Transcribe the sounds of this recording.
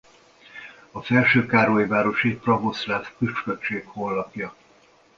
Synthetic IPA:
ɒfɛlʃøːkaːɾoːjivaːɾo̞ʃiprɒvoslaːfkyʃkøt͡ʃeːkholːɒpjɒ

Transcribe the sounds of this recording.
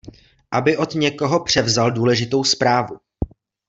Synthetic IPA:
ʔabɪʔo̞t̪ɲɛko̞ɦo̞pr̝̥ɛvzalduːlɛʒɪt̪o̞wspɾaːvu

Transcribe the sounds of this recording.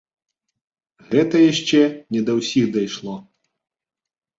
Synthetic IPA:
ɣɛt̪ɐjaʂt͡ʂɛnʲɛd̪ɐwsʲiɣd̪ajʂlˠɔ

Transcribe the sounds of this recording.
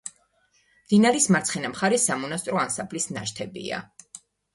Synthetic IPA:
md̪̥inaɾismaɾt̪sʰχɛnamχaɾɛsamɔnast̪ʼɾɔansapʰlisna̰ʃt̪ʰɛbḭa̰

